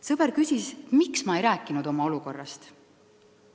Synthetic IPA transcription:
sɤb̥eɾkysʲiset̪miksmɑe̞jɾæːkːˑinud̪o̞mɑo̞luko̞rːɑst̪

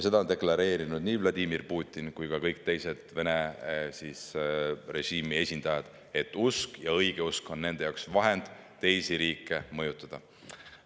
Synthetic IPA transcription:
se̞d̪ɑone̞klɑɾe̞ːɾinud̪̥niːvlɑd̪ʲimirpuːt̪ʲˑːinkujkɑkɤjk̚t̪e̞jse̞d̪̥ve̞nesisre̞ʒ̥iːmie̞sʲind̪̥ɑjɑd̪̥ | e̞t̪ːˑuskjɑɤjɡ̥e̞usko̞nːe̞nd̪e̞jɑwksvɑɦe̞nd̪̥t̪e̞jsiɾiːkːˑe̞mɤjut̪ːˑɑd̪̥ɑ

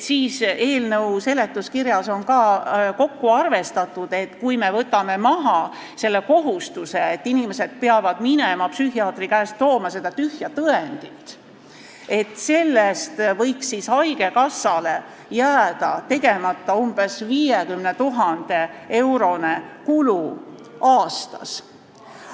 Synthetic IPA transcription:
siːse̞ːlnɤwse̞le̞t̪ːˑuskiɾjɑso̞nkɑko̞kːuɑrve̞st̪ɑt̪ˑːud̪̥e̞t̪ːkujme̞vɤt̪ːˑɑme̞mɑɦɑ | se̞lːe̞ko̞ɦust̪use̞ːt̪ːinime̞se̞d̪̥̚peɑvɑd̪̥minemɑpsyɦiɑːt̪rikæːst̪o̞ːmɑse̞d̪̥ɑt̪yhjɑt̪ɤend̪̥it̪ː | e̞t̪ːˑse̞lːest̪vɤjksisɑjɡ̥e̞kɑsːɑle̞ | jæːd̪̥ɑt̪e̞ɡ̥e̞mɑt̪ːˑɑumb̥esviːjekymne̞t̪uɦɑnd̪̥e̞e̞wɾo̞ne̞kulu | ɑːst̪ɑ̰s

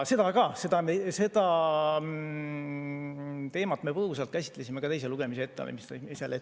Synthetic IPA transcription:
se̞d̪̥ɑkɑse̞d̪ɑese̞d̪̥ɑ | t̪e̞ːmɑt̪ːme̞pɤhus̬ɑlt̪̚kæs̬ʲi̥t̪ːˑle̞sʲime̞kɑt̪e̞js̬e̞luɡ̥e̞mis̬eet̪ːeɑ̰lḛmist̪sele

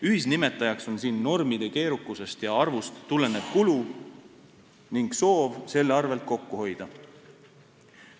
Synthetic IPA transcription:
yhisnime̞t̪ːˑɑjɑkso̞nsiːnːo̞rmid̪̥e̞ke̞ːɾukːˑuse̞st̪jɑɑrvust̪ːule̞ne̞b̥kulu | niŋɡ̥so̞ːvse̞lːɑrve̞lt̪̚ko̞kːuho̞jd̪̥ɑ

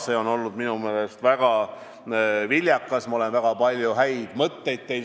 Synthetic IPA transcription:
se̞ːo̞no̞lːud̪minume̞ːle̞st̪væɡ̥ɑ | vilʲjɑkːˑɑsmɑo̞le̞nvæɡ̥ɑpɑlʲjuɦæjd̪̥mɤt̪ːe̞jd̪̥̚t̪e̞j

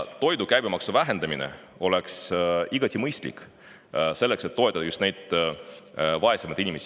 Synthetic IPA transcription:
t̪o̞jd̪ukæjbimɑksuvæɦe̞nd̪ɑminḛ | o̞leksiɡɑt̪ʲimɤjst̪lḭk | se̞lːe̞kse̞t̪ːo̞et̪ːˑɑd̪̥ɑjust̪nejd̪̥ | vɑe̞semɑd̪̥inʲimesi

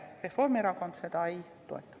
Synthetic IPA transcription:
refo̞rmieɾɑko̞nd̪̥se̞d̪̥ɑej | t̪o̞̰et̪ˑːɑ̥

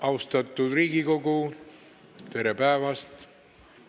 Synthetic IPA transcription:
ʔɑwst̪ɑt̪ːˑud̪riːɡiko̞ɡu | t̪e̞ɾepæːvɑst̪

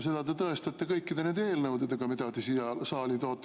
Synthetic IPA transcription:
se̞d̪̥ɑd̪e̞t̪ɤest̪ɑt̪ːˑekɤjkːid̪̥e̞neːd̪eːlnɤwd̪ed̪eɡ̥ɑmid̪̥ɑd̪isiɑlsɑːlit̪oːt̪ˑː

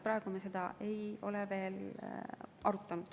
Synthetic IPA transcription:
pɾɑeɡ̥umese̞d̪ɑʔe̞jo̞leve̞ːl | ɑɾut̪ːˑɑnud̪̥

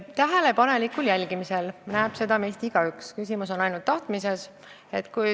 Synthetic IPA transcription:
t̪æɦelepɑne̞likːˑuljælʲɡ̥imise̞lnæeb̥se̞d̪̥ɑmeːst̪iiɡ̥ɑykskysimuso̞nɑjnult̪ːɑht̪mise̞s | e̞t̪ːkuj

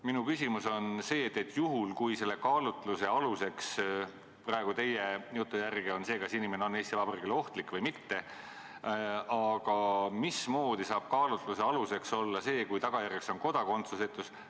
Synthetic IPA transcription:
minukysʲimuso̞nse̞ːt̪ːˑet̪ːˑjuɦulkujse̞lːe̞kɑːlut̪luse̞ɑluse̞ks | prɑeɡ̥ut̪e̞jejut̪ːˑujærɡeo̞nse̞ːkɑsinime̞neo̞nːe̞ːst̪ivɑbɑrikelo̞ht̪likːˑvɤjmit̪ːe̞ | ɑɡ̥ɑmismo̞ːd̪̥isɑːb̥̚kɑːlut̪luse̞ɑluse̞kso̞lːɑse̞ːkujt̪ɑɡ̥ɑjærjekso̞nko̞d̪̥ɑko̞nt̪suset̪ːˑus

